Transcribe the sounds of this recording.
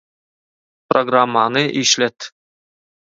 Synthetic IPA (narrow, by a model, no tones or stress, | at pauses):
proɡramːɑnɤʔiʃlet̪